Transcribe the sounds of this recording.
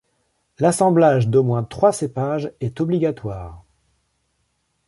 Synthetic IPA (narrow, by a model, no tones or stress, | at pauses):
lasɑ̃blaʒd̪omwɛ̃t̪χwasepaʒɛt̪ɔbliɡat̪waːʁ